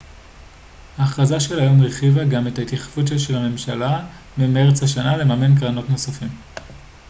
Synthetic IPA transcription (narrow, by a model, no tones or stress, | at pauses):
haχazaʃe̞lajo̞mʁeχivaɡame̞tait̪jaχḁfutʃeʃelhame̞mʃala | mime̞ʁt͡shaʃanale̞mame̞nkʁano̞tno̞safim